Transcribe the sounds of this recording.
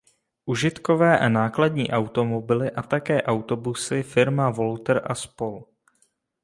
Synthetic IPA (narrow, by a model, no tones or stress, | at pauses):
ʔuʒɪt̪kovɛːʔanaːkladɲḭːʔawt̪o̞mo̞bɪlɪʔat̪akɛːʔawt̪o̞busɪfɪɾmavo̞lt̪ɾʔaspol